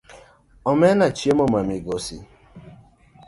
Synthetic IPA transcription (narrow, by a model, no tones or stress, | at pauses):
ɔmɛnat͡ʃiemɔmamiɡosi